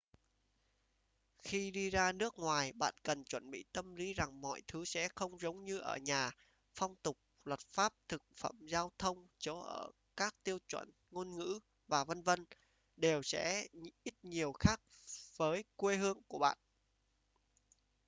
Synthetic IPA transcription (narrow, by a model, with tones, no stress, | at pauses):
xi˧ɗi˧zaː˧nɨ˦˥ək̚ŋwaː˨˩jɓa̰ː˧˨nkə˨˩nt͡ɕwə˧˩nɓḭ˧˨t̪ə˧mli˨˦za˨˩ŋmɔ̰˧˨jt̪ʰɨ˨˦sɛ̰˧˥xə˧wŋ͡mzə˨˦wŋ͡mɲɨ˧ʔə̰ː˧˩ɲaː˨˩ | fɔ˧wŋ͡mt̪ʊ˨˩k͡p̚ | lwə˨˩t̚faː˦˥p̚t̪ʰɨ˨˩k̚fə˧˩mzaː˧wt̪ʰə˧wŋ͡mt͡ɕo˨˦ʔəː˧˩ | kaː˦˥k̚t̪i˧əwt͡ɕwə̰˧˩n | ŋo˧nŋɨ̰˧˥ | vaː˨˩və˧nvə˧n | ɗe˨˩wsɛ̰˧˥ʔi˦˥t̚ɲi˨˩əwxaː˦˥k̚vəː˨˦jkwe˧ɦɨ˧əŋku˧˩əɓa̰ː˧˨nʔ